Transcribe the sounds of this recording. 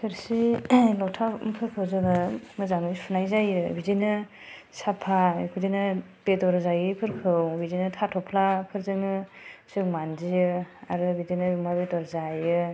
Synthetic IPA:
sʰɯɾsilɔtʰapʰɯɾkʰɯzɯŋɯmɯzaŋɯpʰunajzajɯbidinɯ | sapʰakʰudinɯ | bedɔɾzajɯpʰɯɾkʰɯwbizinɯtʰatʰɔpʰlapʰɯɾzɯŋɯsɯŋmandijɯa̰ɾɯbidinɯjumabedɔɾzajɯ

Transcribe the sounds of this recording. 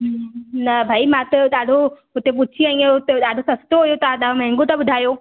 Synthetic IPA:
ɦnɐbʱaːimãt̪ɐɗaːɖʱo | ʊt̪ep̬ʊt͡ʃʰiãĩeʊt̪eɗaːɖʱosɐst̪oɦojot̪ɐɗaːɖomɛ̃ɦŋɡot̪ɐbʊd̪ʱaːjoː

